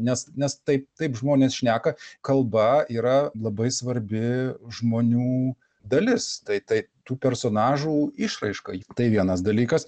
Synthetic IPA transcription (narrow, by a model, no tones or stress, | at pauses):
nʲɛsnʲɛst̪ɐɪp̚t̪ɐɪpʒmoːnʲeːsʃʲnʲæːkɐkɐlˠbɐiːɾɐlˠɐbɐɪsʋɐɾʲbʲɪʒmoːnʲuː | d̪ɐlʲɪst̪ɐɪt̪ɐɪt̪uːpʲɛɾsoːnɑːʒuːɪʃrɐɪʃkɐt̪ɐɪʋʲiɛnɐsd̪ɐlʲiːkɐs